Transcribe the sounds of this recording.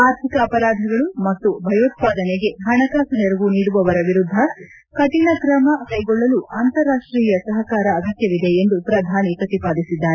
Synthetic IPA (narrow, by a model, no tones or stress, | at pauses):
aːɾt̪ʰikɐːpɐɾaːd̪ʱɐɡɐɭumɐt̪ːubʱɐjoːt̪̚paːd̪ɐneɡe̞ɦɐɳɐkaːsɐneɾuʋuniːɽuʋɐʋɐɾɐʋiɾud̪ʱːɐ | kɐt̪inɐkɾɐmɐkɐjɡɔɭːɐluʔaːnt̪ɐɾːaːʂʈɾiːjɐsɐɦɐkaːɾɐːɡ̪ɐkjɐʋid̪e̞ːnd̪upɾɐd̪ʱaːnipɾɐt̪ipaːd̪isid̪ːaːɾe